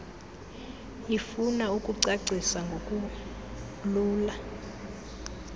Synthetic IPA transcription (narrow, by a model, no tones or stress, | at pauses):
ifunaukʼuǀaǀʱisaŋɡʱokʼu | luːla